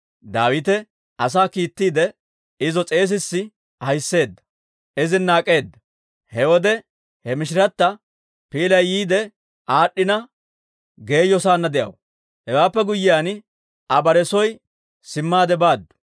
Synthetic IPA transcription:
d̪aːwɪt̪ɛ | ɐs̬aːkiːt̪ːiːd̪ɛ | ɪzɔt͡sʼe̞ːs̬ɪsːɪ | hɐjsːe̞ːd̪ːɐ̥ | ɪzɪnaːkʼe̞ːd̪ːɐ | hɛwɔd̪ɛ | hɛmɪʃɪɾɐt̪ːɐ | piːlɐjːiːd̪ɛ | ʔaːɗːɪnɐ | ɡe̞ːjɔsaːnːɐd̪ɛʔɐ̰w | hɛwaːpːɛɡʊjːɪjaːn | ɐbɐɾɛsɔj | sɪmːaːd̪ɛbaːd̪ːʊ̥

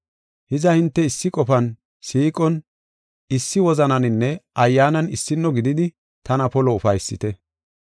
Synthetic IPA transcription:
hɪzɐhɪnt̪ːɛɪsːɪkʼɔfɐn | siːkʼɔn | ɪsːɪwɔzɐnɐnɪnːɛɐjːaːnɐnɪsːɪnːɔɡɪd̪ɪd̪ɪ | t̪ɐnɐpɔlɔʊfɐjsːɪt̪ɛ

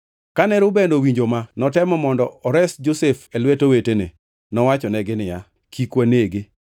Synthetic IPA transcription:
kanɛɾʊbendowiɲd͡ʒomanɔtɛmɔmɔndɔɔɾɛsd͡ʒosefelwetowetenḛ | nɔwat͡ʃɔnɛɡɪnɪja | kʰikwaneɡɪ

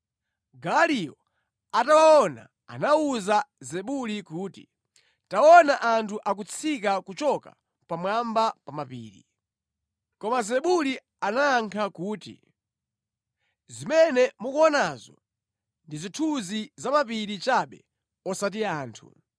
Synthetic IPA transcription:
ɡaliɔ | atawaɔna̰ | a̰nauzazɛɓulikuːtḭ | taɔnaʔantʰuʔak̬ut͡sʰikakut͡ʃɔka̰ | pamwambapamapḭːɾḭ | kɔmazɛɓuli | anaːŋkʰakuːtḭ | zimɛnɛmukuɔnazɔ̰ | ndizitʰuzizamapiɾit͡ʃaɓɛ̰ | ɔsat̬iaːntʰṵ

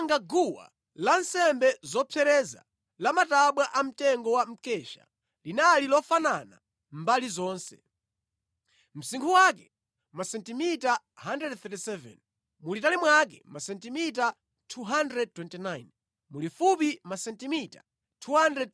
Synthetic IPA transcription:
ŋɡaɡuwa̰ | lansɛmbɛzɔpʰɛɾɛza̰ | lamataɓwaʔam̩tɛŋɡɔwam̩kɛʃa̰ | linalilɔfanana̰ | mbalizɔːnsɛ̰ | m̩siŋkʰuwak̬ɛ | masɛntimita | handɾɛdθɛtisɛvɛ̰n | mulitalimwak̬ɛmasɛntimita | tʰuɦandɾɛd̚twɛntinajn | mulifupimasɛntimita | tʰuɦandrɛd̚

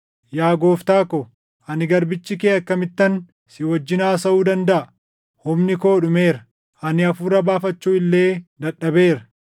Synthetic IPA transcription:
jaːɡo̞ːft̪aːkɔ | ʔɐnɪɡɐɾbɪt͡ʃːɪkeːɐkːɐmɪt̪ːɐn | sɪwɔd͡ʒːɪnaːsɐʔuːd̪ɐnd̪ɐʔɐ | hʊmnɪkoːᶑʊme̞ːɾɐ | ʔɐnɪɐfuːɾɐbaːfɐt͡ʃːuːɪlːe̞ːd̪ɐɗːɐbe̞ːɾɐ

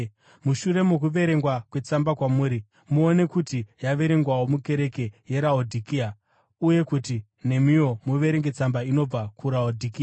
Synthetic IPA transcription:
muʃuɾe̞muk̬uʋe̞ɾe̞ŋɡwakwe̞t͡sambakwamuːɾi | muone̞kutijaʋe̞ɾe̞ŋɡwawomuke̞ɾe̞ke̞je̞ɾaodʱikia | uje̞kuti | ne̞mijo̞muʋe̞ɾeŋɡe̞t͡sambaino̞b͡vakʰuɾaodʱikia

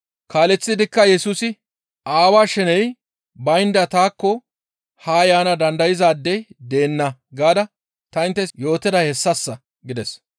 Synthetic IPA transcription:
kaːlɛt͡sːɪd̪ɪkːɐjɛsuːsɪ | aːwaːʃɛnɛj | bɐjnd̪ɐt̪aːkːɔ | haːjaːnɐd̪ɐnd̪ɐjɪzaːd̪ːɛjd̪e̞ːnːɐɡaːd̪ɐ | t̪ɐɪnt̪ːɛjo̞ːt̪ːɛd̪ɐhɛsːɐsːɐ | ɡɪd̪ɛs

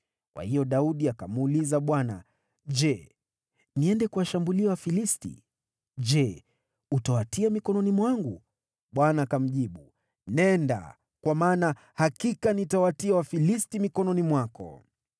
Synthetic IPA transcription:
kwʔa̰hijɔɗauɗiakamːlizaɓwana̰ | ʄɛ | niɛndɛkuwaʃambuliawafilistḭ | d͡ʒɛ | utawatiamikɔnɔnimwaŋɡu | ɓwanaːkam̩ʄiɓu | nɛnda̰ | kwamaːna | hakikanitawatiawafilistimikɔnɔnimwakɔ̰

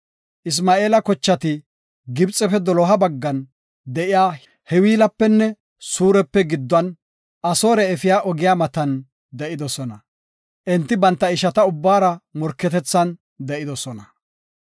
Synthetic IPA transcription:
ʔɪs̬maːeːlɐkɔt͡ʃːɐt̪ɪ | ɡɪbt͡sʼːɛfɛd̪ɔlɔɦɐbɐɡːɐn | d̪ɛʔɪjaː | hɛwiːlɐpːɛnːɛ | suːɾɛpːɛɡɪd̪ːɐn | ʔɐso̞ːɾɛːfɪjaːʔɔɡɪjaːmɐt̪ɐn | d̪ɛʔɪd̪ɔsɔnɐ | ʔɛnt̪ːɪbɐnt̪ːɐɪʃɐt̪ɐʊbːaːɾɐmɔɾkːɛt̪ɛt͡sːɐn | d̪ɛʔɪd̪ɔsɔnɐ

